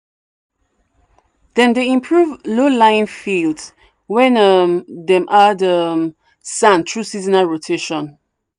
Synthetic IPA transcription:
d̪̥ɛ̃ndeĩmpʰɹuvlolãɪ̃nfilds | wɛ̃nʌmdɛ̃mʔadəm | sãntʰɹusizinaɹotʰeʃɔ̃n

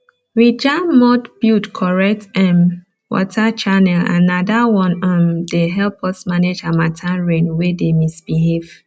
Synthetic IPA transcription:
ɹid͡ʒammɔdbjutkʰɔɹɛk̚tɛ̃m | wɔ̰tʰat͡ʃanɛlã̰nadawɔ̃nɔ̃ndeɦɛlpʰɔsmaned͡ʒãmatʰãnɹẽnwedemisb̥iɦev̥

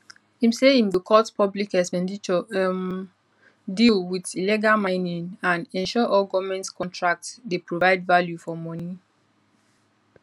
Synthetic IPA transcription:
hĩmseĩmdəkʰɔtpʰɔblikɛkspɛ̃ndit͡ʃɔ | dilwidiliɡalmãɪ̃nĩŋãnɛ̃nʃɔʔɔɡɔvmɛ̃ntskʰɔ̃ntʰɹak̚tsdepɹovaɪdvaljufɔmɔni

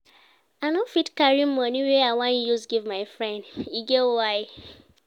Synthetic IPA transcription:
anofitkaɾim̩mɔniweaŋãnijusɡivmaɪfɾɛ̃ndiɡeoajɪ

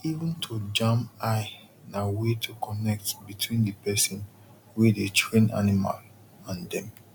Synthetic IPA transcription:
ivə̃ntʰud͡ʒãmaɪ | nawetʰukɔnɛk̚tbitʰwĩndəpɛsɔ̃n | wɛdetʰɹẽna̰nima̰l | ãndɛ̃m

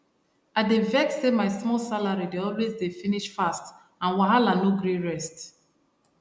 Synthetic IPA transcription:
aɪdevɛk̚semaɪsmɔlsalaɹideɔlwezdefiniʃfast | ãnwaɦalanoɡɹeɹɛst

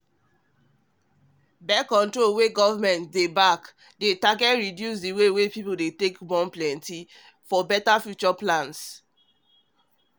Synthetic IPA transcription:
bɛkɔ̃ntɹolweɡɔvamɛ̃ntdebak | detaɡɛtɹidjus̬diwewepipodetekbɔ̃nplɛ̃nti | fɔbɛtafjut͡ʃɔplãns

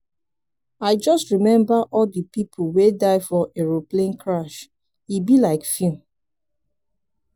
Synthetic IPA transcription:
aɪd͡ʒɔstɹimɛ̃mbaʔɔldəpipʰowedaɪfɔʔeɹoplẽnkʰɹaʃ | ibilaɪkfjũ

